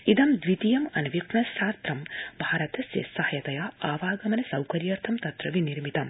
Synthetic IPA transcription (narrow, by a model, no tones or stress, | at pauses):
id̪ɐmd̪ʋit̪ijɐmɐnɐʋjiknɐsaːst̪ɾɐmbʱaːɾɐt̪ɐsḛsɐhɐjɐt̪ɐjaːaːʋaːɡɐmɐnɐsɐwkɐɾjɐɾt̪ʰɐmt̪ɐt̪ɾɐʋiniɾmit̪ɐm